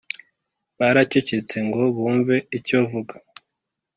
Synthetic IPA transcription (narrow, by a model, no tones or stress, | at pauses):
βaɾacecet͡se̞ŋɡo̞βuːɱveicovuɡa